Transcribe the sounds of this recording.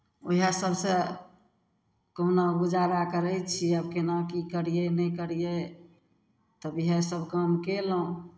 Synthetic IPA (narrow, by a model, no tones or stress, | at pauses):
oiasəbse | konabud͡ʒaɾakəɾɛt͡ʃʰiəb̚kenakikəɾijenəjkəɾije | t̪əbiɦesəbʱkəmkelũ